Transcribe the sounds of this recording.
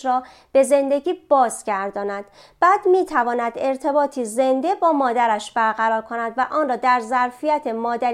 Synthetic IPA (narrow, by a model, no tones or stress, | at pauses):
ɾɒː | b̥e̞ze̞nd̪e̞ɡʲiːbɒːzɟæɾd̪ɒːnæd̪̥ | b̥æːd̪̥miːt̪ʰævɒːnæd̪e̞ɾt̪ʰebɒːt̪ʰize̞nd̪e̞bɒːmɒːd̪æɾæʃb̥æɾɣæɾɒːɾkʰo̞næd̪væʔɒːnrɒːd̪æɾzæɾfijæt̪ʰemɒːd̪æɾ